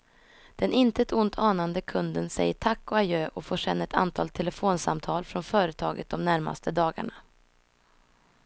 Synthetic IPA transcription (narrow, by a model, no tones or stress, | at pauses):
d̪̥ɛnɪnt̪əɛt̪ʊnt̪ʰɑːnand̪əkʰɵnd̪ənsɛ̰jːəʈʰakːɔajøːʔɔfoːʂɛnːaɛt̪ʰa̰nt̪ʰɑ̰ːlt̪ʰɛləfoːnsamt̪ʰɑːlfɾɔnfœːɾət̪ʰɑ̰ːɡə̰t̪̚d̪ɔmnæɾma̰st̪ʰəd̪ɑːɡa̰ɳa